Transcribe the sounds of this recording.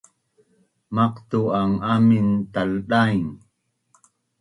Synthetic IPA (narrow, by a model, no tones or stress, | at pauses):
mɑqt̪uaŋamint̪alɗaiŋ